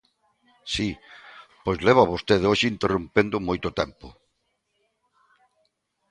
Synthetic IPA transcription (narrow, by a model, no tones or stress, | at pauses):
sipojzleβaβost̪eðoʃɪint̪erumpend̪ʊmojt̪ʊt̪ɛmpʊ̰